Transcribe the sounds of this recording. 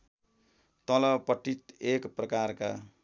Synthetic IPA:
t̪ʌlʌpʌʈːit̪ekprʌkarka

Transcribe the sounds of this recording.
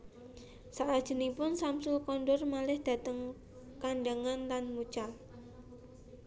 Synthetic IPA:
saʔad̥ʒ̥ə̤nipʊnsamsʊlkɔnɖɔrmalɪhd̪̥a̤t̪əŋ | kaɳɖaŋanlanmut͡ʃal

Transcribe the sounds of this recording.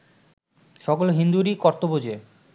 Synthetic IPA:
ʃɔɡoloɦind̪uɾikɔɾt̪obod͡ʑe

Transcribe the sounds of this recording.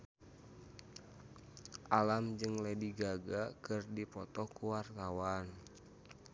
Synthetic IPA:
ʔalamd͡ʒɨŋlɛdiɡaɡakɨrdipɔt̪ɔkuwart̪awan

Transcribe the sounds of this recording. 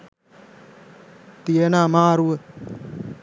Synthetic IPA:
t̪ienaːmaːɾue

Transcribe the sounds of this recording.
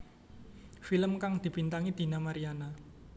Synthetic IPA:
filəmkaŋd̪̥i̤b̥int̪aŋid̪̥i̤namaɾiana

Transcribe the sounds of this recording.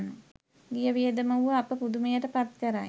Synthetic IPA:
nu | ɡijəʋijəd̪əməuʋəapəpud̪umejəʈəpat̪kəɾaj

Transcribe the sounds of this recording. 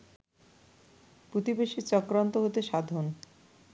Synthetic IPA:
pɾot̪ibeʃit͡ɕɔkɾant̪oɦot̪eʃad̪ʱon

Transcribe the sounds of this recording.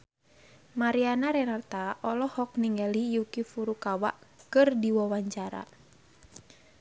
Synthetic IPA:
maɾianaɾɛnart̪aʔɔlɔhɔk̚niŋɛlijukifuɾukawaʔkɨrdiwɔwaɲt͡ʃaɾa̰

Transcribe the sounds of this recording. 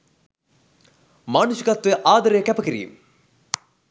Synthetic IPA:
maːnuɕjɐkɐt̪ʋeʔaːd̪ɐɾɐjkɛpɐkiɾḭjṵm

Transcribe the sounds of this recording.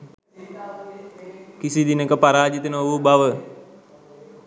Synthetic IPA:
kisid̪inekəpaɾaːd͡ʒit̪ənəʋubaʋə

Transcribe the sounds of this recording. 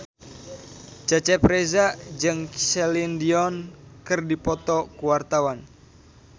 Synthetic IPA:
t͡ʃat͡ʃɛpɾezad͡ʒɨŋsɛlindiɔnkɨrdipɔt̪ɔkuwart̪awan

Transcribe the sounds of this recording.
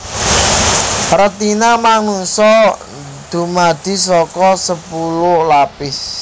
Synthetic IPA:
rət̪inamaŋuŋsɔ | d̪̥ṳmad̪̥i̤sɔkɔsəpulʊlapɪs

